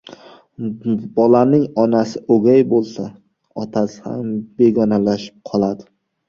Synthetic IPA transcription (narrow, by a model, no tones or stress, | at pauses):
bɒlanɪŋɒnasɪʔoɡʲajbolˠsa | ɒt̪ʰasha̰mbe̞ɡɒnalaʃɪ̥p̚qʰɒlˠad̪ɪ